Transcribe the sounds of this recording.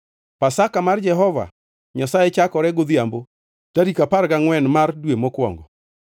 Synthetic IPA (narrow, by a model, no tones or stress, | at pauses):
pasakamard͡ʒɛɦɔva̰ | ɲasajɛt͡ʃakɔɾɛɡʊd̪jambo | taɾikapaɾɡaŋwɛnmardwemɔkwɔ̰ŋɡɔ